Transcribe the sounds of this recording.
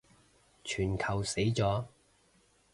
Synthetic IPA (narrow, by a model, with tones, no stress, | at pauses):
t͡ʃʰyː˨˩nkʰɐ˨˩wse˨˥jt͡sɔː˨˥